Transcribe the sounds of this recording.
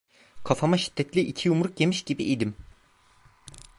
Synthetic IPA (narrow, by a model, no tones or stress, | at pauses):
kʰafamaʃi̥d̪̥ːɛt̪lʲiʔicʰijumɾukje̞miʃɟibiʔid̪im